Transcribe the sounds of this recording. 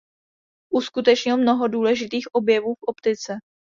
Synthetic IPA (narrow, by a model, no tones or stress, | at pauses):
ʔuskut̪ɛt͡ʃɲɪlmno̞ɦo̞duːlɛʒɪt̪iːxʔo̞bjɛvuːfʔo̞pt̪ɪt͡sɛ